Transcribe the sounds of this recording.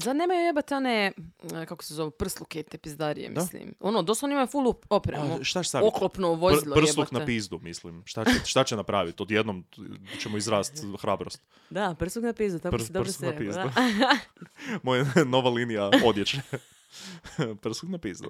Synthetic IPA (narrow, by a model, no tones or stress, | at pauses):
sad̪neːmajujebat̪eonekako̥sezo̞ʋopr̩slˠukeit̪epizd̪aɾḭjḛmḭslḭmonod̪osaonimajfulˠuopɾeʃt̪ae̥saoklˠopnoʋozilˠop̩selˠuknapizd̪umislimʃt̪aeʃt̪at͡ɕenapɾaːʋit̪od̪jed̪nomt͡ɕemoizɾaːst̪xɾaːbɾost̪ | d̪apr̩slˠuknapizd̪ut̪akpsd̪oɾuknapizu | mojano̞ʋalinijao̞d̪jet͡ʃe | pr̩slˠuknapiːzd̪ṵ